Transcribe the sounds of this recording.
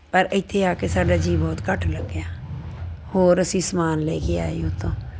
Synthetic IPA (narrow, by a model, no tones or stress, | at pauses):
pəɾəɪt̪ʰːeaːkesaːɖaːd͡ʒiːbɔːt̪kəʈʰləɡaː | hoːɾəsĩsmaːnleːkeaːiot̪ʰõː